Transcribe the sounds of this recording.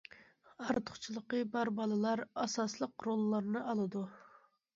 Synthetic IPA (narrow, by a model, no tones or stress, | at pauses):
ɑɾt̪ʰʊχt͡ʃʰilˠəqəbɑɾbɑlˠɨlˠɑɾɑsɑslˠəqɾolˠːɑɾnɨʔɑlˠɨd̪u